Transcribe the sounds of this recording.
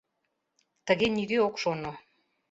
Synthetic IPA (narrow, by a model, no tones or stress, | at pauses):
t̪əɣenideokʃono